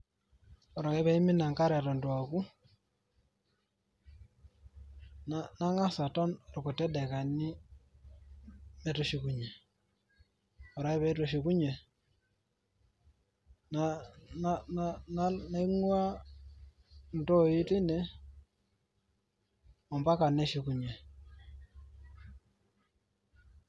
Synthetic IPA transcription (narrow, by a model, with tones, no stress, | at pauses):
ɔ˨ɾa˨ŋe˦βɛ˦i˦mɪ˦na˨ŋka˦ɾɛ˨tɔ˨ntwa˨ku˦ | nana˦ŋa˦sa˨tɔ˦nɔ˨ɾko˨tɛ˦dɛ˨ka˨ni˦ | mɛ˨to˨ʃi˨ku˨ɲe˨ | ɔ˨ɾa˦i˦βɛ˦to˨ʃi˨ku˦ɲe˨ | nana˦nana˦na˦i˦ŋwa˦ | n˨to˦i˦tɪ˦nɛ˨ | ɔ˨mba˦ka˨ne˦ʃi˨˦ku˨ɲe˨